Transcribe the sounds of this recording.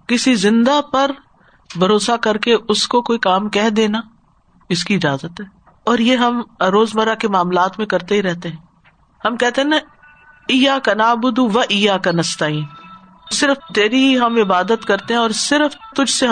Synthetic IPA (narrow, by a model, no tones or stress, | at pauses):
kɪsizɪ̃nd̪apɐɾ | bʱɐɾoːsakɐɾkeʔʊskokoːikaːmkɛɦd̪eːna | ɪskiɪd͡ʒaːzət̪ɦɛː | ɔːɾjeɦɐmɾoːzmɐɾakemaːmlaːt̪mẽkɐɾt̪eɦiɾɛɦt̪eɦɛ̃ː | hɐmkɛɦt̪ẽɦɛnɐ | ijakɐnaːbʊd̪uʋɐʔiːjakɐnɐst̪aːĩː | sɪɾəft̪eːɾiɦiɦɐmɪbaːd̪ət̪kɐɾt̪eɦɛ̃ɔːɾsɪɾəft̪ʊd͡ʒʱseɦ